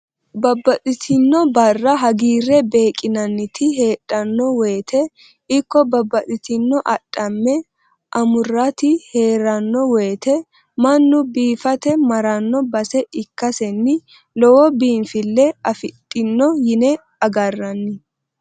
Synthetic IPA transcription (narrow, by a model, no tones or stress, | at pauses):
bɐbːɐtʼɪt̪ʰɪnːɔbɐrːɐɦɐɡiːrːɛbe̞ːkʼɪnɐnːɪt̪ʰɪɦe̞ːɗʼɐnːɔwe̞ːt̪ʰɛ | ɪkːɔbɐbːɐtʼɪt̪ɪnːɔʔɐtʼːɐmːɛ | ʔɐmʊrːɐt̪ɪhe̞ːɾɐnːɔweːt̪ɛ | mɐnːʊbiːfɐt̪ɛmɐɾɐnːɔbɐsɛʔɪkːɐsɛnːɪ | lɔwɔbiːnfɪlːɛɐfɪtʼːɪnːɔjɪnɛ | ɐɡɐrːɐnːɪ